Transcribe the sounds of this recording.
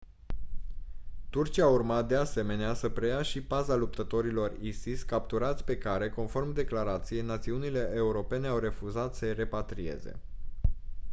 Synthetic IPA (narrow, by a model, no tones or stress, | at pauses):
t̪urt͡ʃiaːurmat̪̚d̪ease̞me̞neasəpɾe̞jaʃibazalup̚t̪ət̪o̞ɾilo̞risiskap̚t̪uɾat̪sʲpe̞kaɾe̞ko̞nfo̞rmd̪e̞klaɾat̪sije̞jnat̪siunile̞ʔeuɾo̞pe̞ne̞awre̞fuzat̪səjre̞pat̪ɾie̞̰ze̞̰